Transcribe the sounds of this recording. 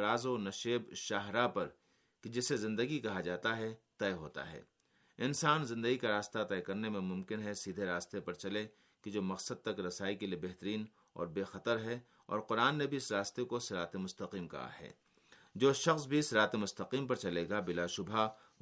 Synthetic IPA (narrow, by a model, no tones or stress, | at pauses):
ɾaːzonɐʃeːbʃaːɦɾapɐɾ | kid͡ʒɪsezɪ̃nd̪əɡikɐɦad͡ʒaːt̪aɦɛt̪ɛːɦo̰ːt̪a̰ɦɛ̰ː | ɪnsaːnzɪ̃nd̪əɡikaɾaːst̪at̪ɛːkɐɾnemẽmʊ̃mkɪnɦɛsiːd̪ʱeɾaːst̪epɐɾt͡ʃɐle | ked͡ʒoːmɐqsəd̪̚t̪ɐkɾɐsaːikeliebɛɦt̪əɾiːn | ɔ̰ːɾbeːxɐt̪əɾɦɛ | ɔ̰ːɾqʊɾaːnːebʱiɪsɾaːst̪ekoɪsɾaːt̪emʊst̪ɐqiːmkɐ̰ɦa̰ɦɛ̰ː | d͡ʒoːʃɐxsbʱiɪsɾaːt̪emʊst̪ɐqiːmpɐɾt͡ʃɐleːɡabɪlaʃʊbʱa